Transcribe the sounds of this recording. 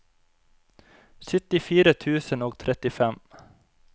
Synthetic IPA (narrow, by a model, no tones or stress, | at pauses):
sʏt̪ɪfiːɾət̪ʰʉːsənoːɡ̚t̪ʰɾɛt̪ɪfɛm